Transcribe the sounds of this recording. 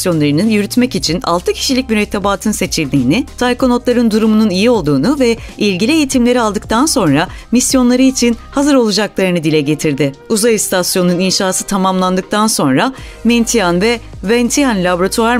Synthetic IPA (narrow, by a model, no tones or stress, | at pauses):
jo̞nlˠaɾɯnɯnjyɾyt̪mɛcit͡ʃʰina̰lˠt̪ʰɯcʰi̥ʃilʲicʲmyɾɛt̪ʰːabaːt̪ʰɯnse̞t͡ʃʰilʲd̪iːnɪt̪ʰajko̞no̞t̪lˠaɾɯnd̪uɾumununijio̞lˠd̪uːnuvɛilʲɟilʲiejit̪ʰimlʲe̞ɾialˠd̪ɯk̚t̪ʰanso̞nɾamisjo̞nlˠaɾɯit͡ʃʰinhazɯɾo̞lˠud͡ʒaklˠaɾɯnɯd̪ilʲɛɟe̞t̪ʰiɾd̪ɪuzajst̪ʰasjo̞nuninʃaːsɯt̪ʰamamlˠand̪ɯk̚t̪ʰanso̞nɾa | ment̪ʰijanvɛvɛnt̪ʰianlʲaboɾat̪ʰuaɾ